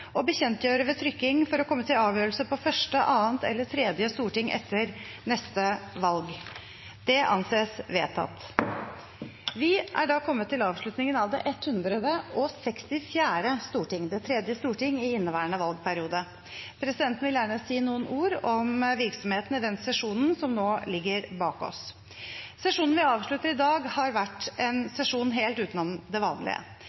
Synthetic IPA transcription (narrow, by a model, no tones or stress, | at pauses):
ɔbəçɛnt̪jøːɾəʋɛt̪ʰɾʏkːɪŋfɔɾɔkʰɔmːət̪ʰɪlɑːʋjøːɾəlsəpɔfœʂʈəʔɑːənt̪ʰɛ̰lːət̪ʰɾɛːd̪jəst̪uːʈɪŋʔɛ̰t̪ʰːəɾ | nɛst̪əʋɑlɡ | d̪̥ɛʔɑ̰nseːsʋeːt̪ʰːɑ̰t̪ː | ʋɪʔæɖɑkʰɔmːət̪ːɪlɑːʋʂɭʉt̪nɪŋənɑʋd̪ɛʔɛt̪hʉnd̪ɾəd̪əʔɔsɛkst̪ɪfjæːɾəst̪uːʈɪŋd̪ɛt̪ʰɾɛd̪jəst̪uːʈɪŋːɪɪnːəʋæːəɳəʋɑlɡ̚pʰæɾɪuːd̪ə | pʰɾɛsɪd̪ɛnt̪n̩ʋɪljæːɳəɔsiːnuːənuːɾɔmʋɪɾksɔmheːt̪nɪd̪ɛnsɛʂuːnnsɔmnoːlɪɡːəɾbɑːkɔ̰s | sɛʂuːnn̩ʋɪɑːʋʂɭʉt̪ːəɾɪd̪ɑːɡhɑɾʋæʈɛnsɛʂuːnɦeːlt̪ʉːt̪nɔmd̪ɛʋɑːnlɪ̰ə̰